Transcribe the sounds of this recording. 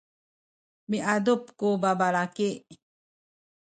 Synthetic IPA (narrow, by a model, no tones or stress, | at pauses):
miʔadupkubabaɭaki